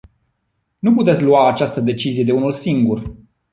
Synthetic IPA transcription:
nuput̪et̪sʲluaːt͡ʃast̪əd̪e̞t͡ʃizije̞d̪e̞unulsiŋɡur

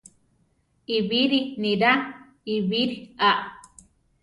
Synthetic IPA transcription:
iβiɾiniɾa | iβiɾiaʔ

